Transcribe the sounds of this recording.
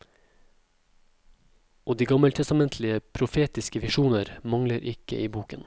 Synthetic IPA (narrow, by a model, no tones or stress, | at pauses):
oːd̪iːɡɑməlt̪ʰɛst̪ɑmɛnt̪ʰlɪəpʰɾʊfeːt̪ɪskəʋɪʃuːnəɾmɑŋləɾʔɪkə̰ʔiːbuːkən